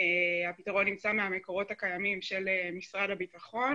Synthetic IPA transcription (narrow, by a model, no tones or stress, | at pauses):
eapitaʁo̞nːimt͡sameameko̞ʁo̞thakajamimʃe̞lemisʁadabitaχo̞